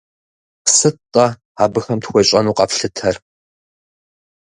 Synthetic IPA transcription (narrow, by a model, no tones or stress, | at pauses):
sɨtʼɐ | aːbɨxɐmtxʷɔɕʼɐnuːqʼɐpɬɨtʰɐr